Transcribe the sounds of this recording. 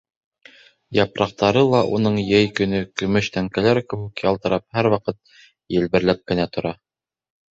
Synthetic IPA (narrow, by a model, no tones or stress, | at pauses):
jɑpɾɑq̚t̪ɑɾɤlˠɑʔunɤɴjɘjkɵ̆nɵkɵ̆mɵʃt̪æŋkælæɾkɘ̆wʉkjɑlˠt̪ɤ̆ɾɑp̚hæɾwɑqɤt̪̚ | jɘ̆lβɘ̆ɾlæp̚kɘ̆næt̪ŏɾɑ